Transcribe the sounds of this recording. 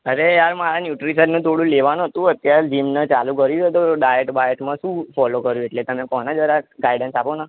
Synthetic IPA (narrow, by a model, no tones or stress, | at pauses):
əɾeaɾmaɾanjuʈɾisəɾnũt̪ʰoɽũleʋanũɦət̪ũət̪jaɾed͡ʒimnət͡ʃalũkəɾid͡ʒət̪oɖajeʈbajeʈmãʃũːfɔlokəɾjũeʈlet̪əmẽkɔnad͡ʒʋəɾaɡajɖənsapona